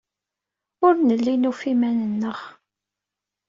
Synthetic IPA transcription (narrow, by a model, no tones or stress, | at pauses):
ʊɾnəlːinufimænənːəʁ